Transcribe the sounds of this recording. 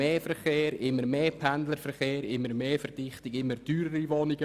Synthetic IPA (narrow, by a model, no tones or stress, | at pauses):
eːfɛɾχeːɾɪmːəɾmeːpʰɛndləɾfɛɾχeːɾɪmːəɾmeːfɛɾd̥ɪχtɪɡɪmːəɾd̥yːɾəɾiʋonɪɡ̥ə